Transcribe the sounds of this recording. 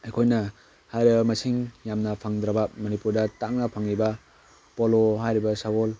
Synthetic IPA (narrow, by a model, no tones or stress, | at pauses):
ajkʰojnɐ | hajɾibɐmɐsiŋjamnɐpʰaŋd̪ɾɐbɐmɐnipuɾdɐtaŋnɐpʰaŋːibɐ | poloɦajɾibɐsawol